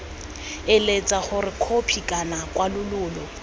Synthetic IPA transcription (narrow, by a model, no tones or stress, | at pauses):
ɪlet͡sʼaχʊrɪkʰopʰikʼanakʼwalʊlʊːlɔ